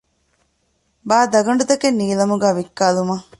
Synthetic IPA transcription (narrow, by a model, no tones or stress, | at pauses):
baːd̪ɐɡɐɳ̆ɖut̪ɐkenːiːlɐmuɡæːʋikːaːlumɐ